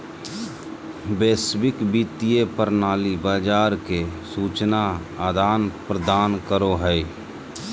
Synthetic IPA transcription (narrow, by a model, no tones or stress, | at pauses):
beːsbɪkbiːt̪ijepəɾnaːlibaːd͡ʒaːɾkesuːt͡ʃnaaːd̪aːnpɾəd̪aːnkəɾoɦɛe